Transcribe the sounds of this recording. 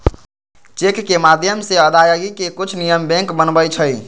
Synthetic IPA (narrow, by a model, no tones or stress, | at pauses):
t͡ʃekʰkemad̪ʱjəmseəd̪ʱajoɡikekut͡ʃʰnijəmbɛ̃ŋkbənbəjt͡ʃʰəj